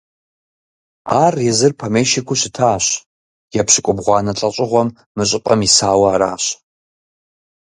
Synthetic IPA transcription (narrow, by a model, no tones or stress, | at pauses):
aːrjɛzɨrpʰɐmeːʃikʷʰuɕɪtʰaːɕ | jɛpʰɕɪkʷʼʊbʁʷɑːnɐɬʼɐɕʼɪʁʷɔmː | ɨɕʼɪpʼɐmisaːwɐːɾa̰ːɕ